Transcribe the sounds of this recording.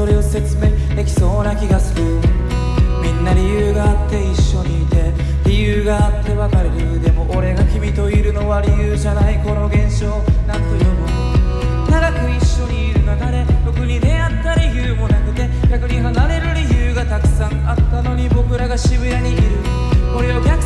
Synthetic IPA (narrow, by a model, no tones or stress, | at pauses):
so̞ɾe̞o̞se̞t͡sɨme̞ | d̪ekʲi̥so̞ːnakʲiɡasɨɾɯ̟ | mʲĩnːaɾʲijɯːɡaːt̪ːe̞iɕːo̞ɲ̟iːt̪e̞ | ɾʲijɯːɡaːt̪ːe̞βakaɾeɾɯd̪e̞mo̞ʔːɾe̞ɡakʲimʲit̪o̞iɾɯ̟no̞βaɾʲijɯːʑanaiko̞no̞ɡẽ̞ɰ̃ɕo̞ːnãnt̪o̞jo̞mɯ | nad̪ako̞iɕːo̞ɲ̟iːɾɯ̟nak̪aɾe̞t̪o̞kɯ̟ɲ̟ine̞at̪ːaɾʲiçɯːmo̞nakɯ̟t̪e̞ɡʲakɯɲ̟iɦanaɾe̞ɾɯ̟ɾʲijɨːɡat̪akɯ̟̥sãŋat̪ːano̞ɲ̟ibo̞kɯ̟ɾaɡaɕibɯ̟ɾaɲ̟iʔiɾɯ̟ | ko̞ɾe̞okʲak